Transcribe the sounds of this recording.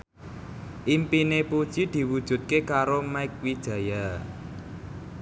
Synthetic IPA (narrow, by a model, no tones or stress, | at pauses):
ʔimpinepud̥ʒ̥id̪̥i̤wud̥ʒ̥ṳt̪̚kekaɾomaɪk̚wid̥ʒ̥ä̤ja